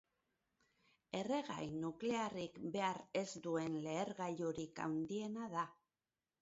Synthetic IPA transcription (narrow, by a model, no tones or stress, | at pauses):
e̞re̞ɣa̰jnukle̞arikbe̞aɾe̞zd̪ue̞nle̞ːɾɣajuɾika̰wnd̪ie̞naða